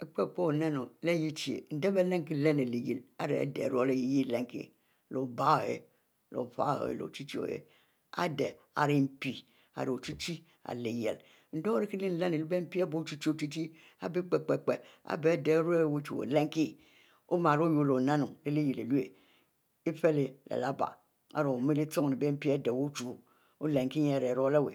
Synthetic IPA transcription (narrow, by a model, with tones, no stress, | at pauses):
e˨k͡pe˦˨k͡po˦o˨na˦no˨le˦ji˦t͡ʃi˨ḛ˨n̩˦de˦be˦le˦ŋ˦ki˦˨le˦ne˨le˨jḭ˨la˨ɾḛ˨dḛ˨ɾo˦˨le˦ji˨ji˦˨le˦ŋ˨kḭ˨ | lo˨ba˦˨ḛ˨ | lo̰˨fa̰˦˨ḛ˨lo̰˨t͡ʃi˦t͡ʃi˦o̰˨jḛ˨ | a̰˦de˨ | a̰˨ɾi˦m̩˦pi˨ | a̰˨ɾo˨t͡ʃi˦t͡ʃi˦ | a̰˨le˨jḛ˨l | n̩˦do˦ɾi˦ki˦li˦n̩˦la˦ne˨li˦be˦m̩˦pi˦a˦bo˦t͡ʃi˦t͡ʃi˦o˨t͡ʃi˦ti˦ | a̰˦bi˦k͡pe˨k͡pe˨k͡pe˨a̰˨be˦˨de˨˦ɾe˦˨wo˦t͡ʃu˨o̰˨le˦ŋ˦ki˦ | o˦ma˨ɾo˦jo˨lo˨na˦nu˨ŋle˦li˦ji˨le˨lu˦e˨ | i˦fe˦le˨lḛ˨la˦ba̰˨ | a̰˨ɾo˨mi˦li˦t͡so˦ŋ˨i˨be˦m̩˦pi˦a˦de˨wo˦t͡ʃu˦˨ | o˦le˨ŋki˦ɲ˦e˨ɾe˨ɾo˦le˦˨wḛ˨